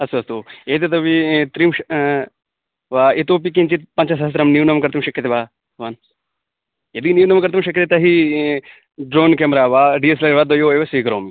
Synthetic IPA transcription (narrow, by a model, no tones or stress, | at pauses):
ɐst̪uɐst̪ueːt̪et̪̬ɐʋit̪ɾimʃ | ʋaːet̪oːp̬ik̬ĩnt͡ʃit̪̚pɐnt͡ʃɐsɐst̪ɾɐmnjiwnɐmkɐɾt̪imʃɐkʰːjɐt̪eʋaː | ʋan | jɐd̪injiwnɐmkɐɾt̪imʃɐkʰʲːjɐt̪et̪ɐɦi | ɖɾoːnkemɾaːʋaːɖiːes̬lɐɾʋaːd̪ɐjoːeʋɐsikɐɾo̰ːmi